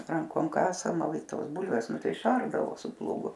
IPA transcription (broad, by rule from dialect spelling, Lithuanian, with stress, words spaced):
ˈrɐŋkoːm ˈkɑːsɐmɐ ˈʋɐ ɪ ˈtoːs ˈbʊlʲʋʲeːs ˈnʊ ˈtɐɪ ɪˈʃɐrdɐʋoː sʊ plˠuːɡʊ